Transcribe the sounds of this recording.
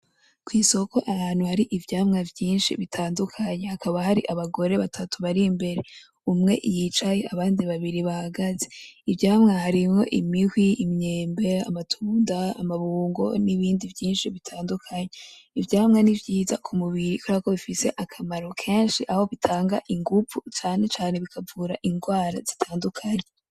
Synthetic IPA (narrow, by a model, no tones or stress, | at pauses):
kwiːso̞ko̞ʔahaːn̥uhaɾiʔivjaːmŋavjiːnʃḭβitʰaːndukʰaɲehakʰaβahaɾiʔaβaɡo̞ɾe̞βatʰatuβaɾimbe̞ɾe | umŋe̞̰ʔijit͡ʃaje̞aβaːndiβaβiɾiβahaɡaze̞ivɟaːmŋahaɾimo̞̰ʔimihwiimɲeːmbe̞a̰matʰuːndaa̰maβuːŋɡo̞̰niβiːndivjiːnʃiβitʰaːndukʰaɲeivjaːhamŋe̞nivɟiːzakʰumuβiɾikʰuɾako̞βifise̞ʔakʰamaɾo̞kʰe̞ːnʃiʔaho̞βitʰaːŋɡaʔiŋɡuput͡ʃaːne̞t͡ʃaːne̞βikʰavuːɾa̰ʔiŋɡwaːɾa̰z̥itʰaːndukʰaɲe